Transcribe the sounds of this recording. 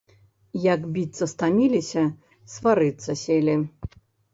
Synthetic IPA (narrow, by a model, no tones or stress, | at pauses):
jakbʲit̪sːɐst̪amʲilʲisʲɐ | svaɾɨt̪sːɐsʲelʲi